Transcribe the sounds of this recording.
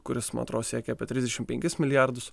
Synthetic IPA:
kʊɾʲɪsmɐ̰ːt̪ɾoːssʲiɛkʲɛɐːpʲiɛt̪ʲɾʲɪzd̪ʲɛʃʲɪmpʲɛŋʲkʲɪsmʲɪlʲɪjæɾd̪ʊs

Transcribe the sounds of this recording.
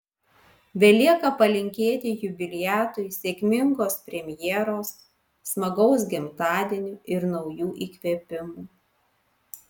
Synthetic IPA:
bʲɛlʲiɛkɐpɐlʲɪŋʲkʲeːt̪ʲɪjʊbʲɪlʲɪjæːt̪ʊjsʲeːkʲmʲɪŋɡoːspʲɾʲɛmʲjɛːɾoːsː | mɐɡɒʊs̬ɡʲɪmt̪ɑːd̪ʲɪnʲuːʔɪɾnɔʊjuːʔiːkʲʋʲiːpʲɪmuː

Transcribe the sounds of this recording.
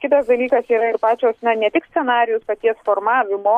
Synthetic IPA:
kʲɪt̪ɐsd̪ɐlʲiːkɐsiːɾɐɪɾpɑːt͡ʃʲoːsnʲɐnʲɛt̪ʲɪksʲtsʲɛnɑːɾʲɪjʊspɐt̪ʲiɛsfoːɾmɑːʋʲɪmoː

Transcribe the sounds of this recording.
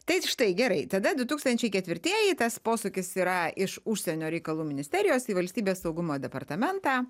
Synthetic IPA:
t̪ɐɪʃt̪ɐɪɡʲɛɾɐɪt̪ɐd̪ɐd̪ʊt̪uːkst̪ɐnʲt͡ʃʲɛɪkʲɛt̪ʲʋʲɪɾʲt̪ʲiɛjit̪ɐspoːsʊkʲɪsiːɾɐɪʃʊʃʲsʲɛnʲoːɾʲɛɪkɐlˠuːmʲɪnʲɪsʲt̪ʲɛɾʲɪjoːsiːʋɐlʲsʲt̪ʲiːbʲeːssɐʊɡʊmoːd̪ʲɛpɐrt̪ɐmʲɛnt̪ɑː

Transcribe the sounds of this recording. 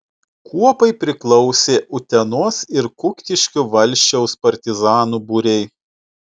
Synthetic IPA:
kʰuɔpɐɪpʲɾʲɪklˠɔʊsʲeːʔʊt̪ʲɛnoːsɪɾkʊkʲt̪ʲɪʃʲkʲʊʋɐlʲʃʲt͡ʃʲɛʊspɐɾʲt̪ʲɪzɑːnuːbuɾʲɛɪ

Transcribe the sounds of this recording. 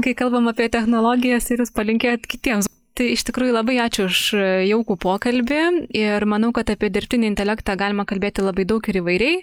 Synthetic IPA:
kɐɪkɐlˠbɐmɑːpʲiɛt̪ʲɛxnoːlˠoːɡʲɪjɛsɪɾjʊspɐlʲɪŋʲkʲeːjt̪kʲɪt̪ʲiɛms | t̪ɐɪɪʃt̪ʲɪkɾuːjʊlˠɐbɐɪɑːt͡ʃʲʊʊʃjɛʊkuːpoːkɐlʲbʲɪɪrmɐnɐʊkɐt̪ɑpʲiɛd̪ʲɪɾʲpʲt̪ʲɪnʲɪːɪnʲt̪ʲɛlʲækt̪ɑːɡɑːlʲɪmɐkɐlʲbʲeːt̪ʲɪlˠɐbɐɪd̪ɐʊkɪɾiʋɐɪɾʲɛɪ

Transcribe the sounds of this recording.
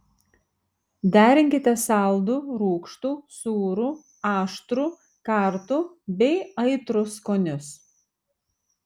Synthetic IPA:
d̪ʲæːɾʲɪŋʲkʲɪt̪ʲɛsɑˑlˠd̪uɾuːkʃt̪uːsuːɾu | ɑːʃt̪ɾuː | kɑˑɾt̪u | bʲɛɪɐɪt̪ɾʊskoːnʲʊs

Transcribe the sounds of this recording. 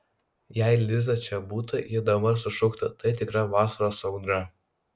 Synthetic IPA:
jæɪlʲɪzɐt͡ʃʲɛbuːt̪ɐjɪd̪ɐbɐɾsʊʃʊkt̪ɐt̪ɐɪt̪ʲɪkɾɐʋɑːsɐɾoːsɐʊd̪ɾɐ

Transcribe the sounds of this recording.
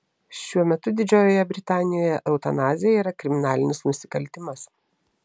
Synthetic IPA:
ʃʲuɔmʲɛt̪ʊd̪ʲɪd͡ʒʲoːjoːjɛbʲɾʲɪt̪ɑːnʲɪjoːjɛʔɛʊt̪ɐnɑːzʲɪjɛiːɾɐkɾʲɪmʲɪnɑːlʲɪnʲɪsnʊsʲɪ̥kɐlʲt̪ʲɪmɐs

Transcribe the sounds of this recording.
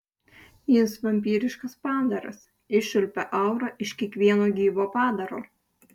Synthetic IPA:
jɪsʋɐmʲp̬ʲiːɾʲɪʃkɐspɑːd̪ɐɾɐ̰s | ɪʃʲʊlʲpʲɛʔɐʊɾɐʔɪʃkʲiɛkʋʲiɛnoːɡʲiːʋoːpɑːd̪ɐɾoː

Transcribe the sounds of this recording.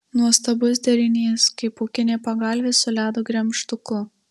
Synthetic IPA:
nuɔst̪ɐbʊs̬ʲd̪ʲɛɾʲɪnʲeːskɐɪpoːkʲɪnʲeːpɐɡɑlʲʋʲeːsʊlʲæːd̪oːɡɾʲɛmʃt̪ʊkʊ

